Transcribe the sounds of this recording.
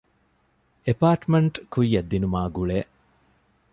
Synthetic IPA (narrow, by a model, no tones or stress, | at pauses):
epaːʈmeɳʈkuijːɐd̪ːinumaːɡuɭeː